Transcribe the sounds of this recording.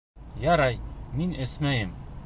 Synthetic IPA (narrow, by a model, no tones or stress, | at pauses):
jɑɾɑjminɘsmæjɘm